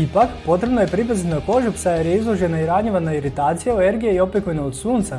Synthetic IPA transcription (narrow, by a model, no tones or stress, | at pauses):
ipakpo̞t̪ɾe̞bnoje̞pɾip̬azit̪nako̞ʒupsajeɾjeizlˠoʒe̞naiɾaɲeʋanaiɾit̪aːt̪sijaoeɾɡijeio̞plʲekoʋinaod̪suːnt̪sa